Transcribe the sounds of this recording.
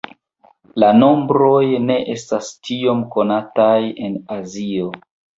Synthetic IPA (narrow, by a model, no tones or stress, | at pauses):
lano̞mbɾo̞jne̞ʔe̞stastio̞mko̞nataje̞nazio̞